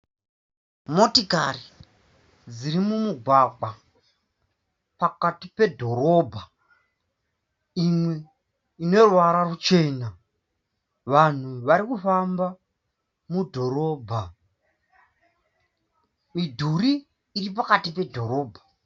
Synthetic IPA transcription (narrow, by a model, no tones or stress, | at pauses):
motikari | d͡ziɾimumuɡʱwaɡ͡ba | pakatipe̞dʱo̞ɾo̞bʱa | imwe̞ | ine̞rwaɾarut͡ʃe̞ːna | ʋan̤uʋaɾikufamba | mudʱo̞ɾo̞ːbʱa | midʱuɾiː | ripakatipe̞dʱo̞ɾo̞ːbʱḁ